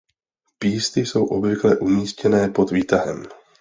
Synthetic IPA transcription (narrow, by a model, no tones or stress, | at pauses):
piːst̪ɪso̞wʔo̞bvɪklɛʔumiːscɛnɛːpo̞t̪viːt̪aɦɛ̰m